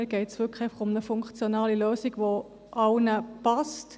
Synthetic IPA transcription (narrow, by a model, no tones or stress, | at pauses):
ɡ̥ɛɪtsʋʏkχeɪfɑ̥χʊmnəfʊŋkt͡sjonɑːliløːsiɡʋo | ʔɑwnəpɑst